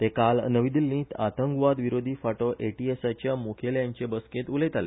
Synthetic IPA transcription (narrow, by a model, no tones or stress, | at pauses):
t̪ekalnəʋid̪ilːĩːt̪ʰat̪əŋɡʋad̪ʋiɾod̪ʱiːfaʈoʔeʈiesat͡ɕjamokʰeljaɲt͡ɕebəsket̪ulet̪alḛ